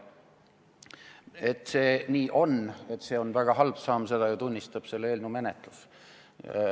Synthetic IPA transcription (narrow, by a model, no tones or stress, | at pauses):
et̪ːˑse̞ːniːʔo̞ne̞t̪ːse̞ːo̞nvæɡ̥ɑɦɑlb̥sɑːmse̞d̪̥ɑjɑt̪unʲːist̪ɑb̥se̞lːeːlʲnume̞net̪ˑlus